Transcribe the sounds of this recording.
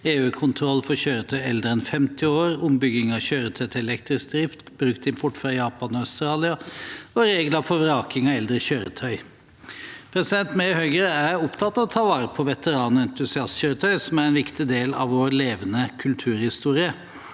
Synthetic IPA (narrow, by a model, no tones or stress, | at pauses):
eːʉːkʰʊnt̪ʰɾɔlːfɔɾçøːɾət̪ʰœʏɛld̪ɾəɛnfɛmt̪ɪoːɾʊmbʏɡɪŋɑçøːɾət̪ʰœʏt̪ʰɪɛlɛkt̪ɾɪsk̚d̪ɾɪft̪bɾʉkt̪ɪmpʰɔʈːfɾɑjɑːpɑnɔɑʉst̪ɾɑːlɪɑɔɾeːɡlɑfɔɾɑːkɪŋɑɛld̪ɾəçøːɾə̰t̪ʰœʏ | pʰɾɛsɪd̪ɛnt̪mehøʏɡəɾæɾʊpt̪ʰɑt̪ːɑʋt̪ʰɑːʋɑːɾəpʰɔʋɛt̪əɾɑːnɔɛnt̪ʉsɪɑst̪çøːɾət̪ʰœʏsɔmæɾɛnʋɪkt̪ɪd̪eːlɑ̰ʋʋoːɾleːʋənəkʰʉlt̪ʰʉːɾhɪst̪uːɾɪə